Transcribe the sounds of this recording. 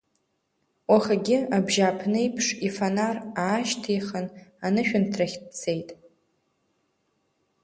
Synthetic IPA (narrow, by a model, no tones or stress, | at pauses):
waχaɡʲɪabʒapʰnɨjpʰʂifanaraːʃtʰijχənanɨʃᶣʊntʰraχʲt̚t͡sʰe̞jtʼ